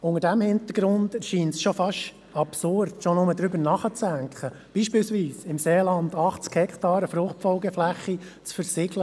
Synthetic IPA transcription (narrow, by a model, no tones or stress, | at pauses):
ʊŋəɾdæmhɪnt̪əɾɡ̥ɾʊnd̥ʃiːntsʃɔfɑʃ | ɑpsʊrdʃɔnʊməd̪ɾʏbəɾnɑχət͡sd̥æŋkʰə | b̥iːʃpɪːlsʋiːsɪmseːlɑnd̪ɑχt͡skhɛkχtɑːɾəfɾʊχtfɔlɡɛflæχːit͡sfəɾsɪɡlə